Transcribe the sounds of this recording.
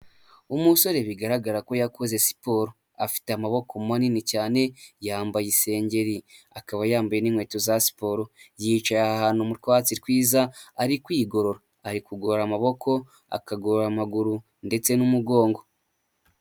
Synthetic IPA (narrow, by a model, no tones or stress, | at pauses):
umuso̞ɾe̞βiɡaɾaɡaɾako̞jakoze̞si̥po̞ɾo | afi̥teamaβo̞komaninicaːne̞jaːmbajise̞ːɲɟe̞ɾiakaβajaːmbajeniŋwe̞ːtozasi̥po̞ɾo̞jit͡ʃajaahaːn̥humuɾkat͡siɾkwiːzaːɾikwiːɡo̞ɾo̞ɾaːɾikuɡoɾoɾamaβo̞kʰo̞ | a̰kaɡoɾoɾamaɡuɾu | nde̞t͡se̞numuɡo̞ːŋɡo̞